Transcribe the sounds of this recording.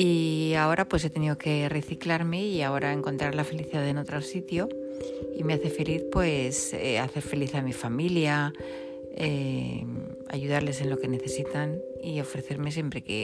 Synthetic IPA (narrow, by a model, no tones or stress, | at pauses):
iao̞ɾʔapwe̞s̬e̞t̪e̞niðo̞ke̞re̞θiklaɾme̞iao̞ɾʔae̞ŋko̞nt̪ɾaɾlafe̞liθiðaðe̞no̞t̪ɾosit̪jo̞ | ime̞aθe̞fe̞liθpwe̞sḛa̰θe̞ɾfe̞liθamifamilja | e | a̰ʝuð̞aɾle̞se̞nlo̞ke̞ne̞θe̞sit̪an | io̞fɾeθe̞ɾme̞s̬je̞mpɾe̞ke̞̰